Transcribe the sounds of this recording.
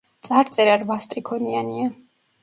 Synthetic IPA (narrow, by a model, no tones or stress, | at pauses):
t̪sʼaɾt̪sʼɛɾaɾvast̪ʼɾikʰɔniania